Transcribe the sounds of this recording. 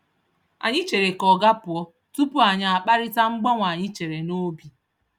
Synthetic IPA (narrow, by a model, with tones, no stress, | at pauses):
a̰˨ɲɪ˦t͡ʃe˨ɾe˨kɔ˨ɡa˦pʊ˨ɔ˦ | tu˦pu˦a˨ɲa˦˨a˨k͡pa˦ɾɪ˦ta˦ŋ͡m̩˦ɡ͡bɔ˦ŋʷa˨ɲɪ˦t͡ʃe˨ɾe˨no˦bi˨